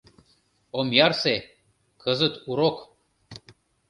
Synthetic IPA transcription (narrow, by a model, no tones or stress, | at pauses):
omjɑrse | kʰəzə̆t̪uɾok